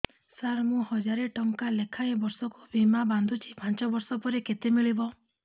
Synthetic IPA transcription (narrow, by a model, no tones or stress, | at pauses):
saɾmũhɔd͡ʒaɾeʈɔŋkalekʰaebɔɾsɔkubʱimaband̪ʱut͡ʃʰi̥pãnt͡ʃɔbɔɾsɔpɔɾeket̪emiɭibɔ